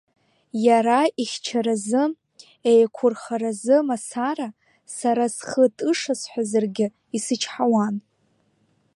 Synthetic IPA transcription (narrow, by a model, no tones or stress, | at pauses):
jaɾaiχʲt͡ʃʰaɾazɨ | ejkʷʰʊrχaɾazɨmasaɾa | saɾasχətʼɨʂasħʷazarɡʲɪ | isɨt͡ʃʰħawan